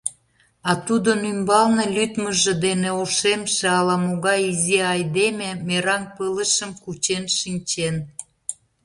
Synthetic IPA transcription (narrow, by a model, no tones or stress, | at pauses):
ɑt̪ud̪onymbɑlnĕlyt̪məʒĕd̪eneoʃemʃeɑlɑmoɣɑjiziɑjd̪ememeɾɑnpələʃəmkut͡ɕenʃinʲt͡ɕen